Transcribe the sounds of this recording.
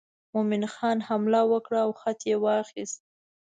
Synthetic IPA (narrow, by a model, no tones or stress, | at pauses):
momɪnxɑnhamlawəkɽaːwxat̪jewɑxist̪̚